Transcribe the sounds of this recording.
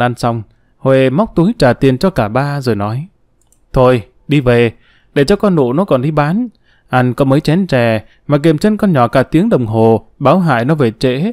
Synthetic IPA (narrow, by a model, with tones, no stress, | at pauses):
ʔa˧nsa˧wŋ͡m | hwe˨˩ma˦˥wk͡p̚t̪u˨˦jt͡ɕaː˧˩t̪i˨˩ənt͡ɕɔ˧kaː˧˩ɓaː˧zoː˨˩jnɔ˨˦j | t̪ʰo˧j | ɗi˧ve˨˩ | ɗe˧˩t͡ɕɔ˧kɔ˧nːo̰˧˨nɔ˨˦kɔ˨˩nɗi˧ɓaː˨˦n | ʔa˧jŋ̟kɔ˨˦məː˨˦jt͡ɕɛ˨˦nt͡ɕɛ˨˩ | maː˨˩k̬e˨˩mt͡ɕe˧nkɔ˧nɲɔ˧˩kaː˧˩t̪i˨˦əŋɗə˨˩wŋ͡mɦo˨˩ɓaː˨˦wɦa̰ː˧˨jnɔ˨˦ve˨˩t͡ɕḛ˧˥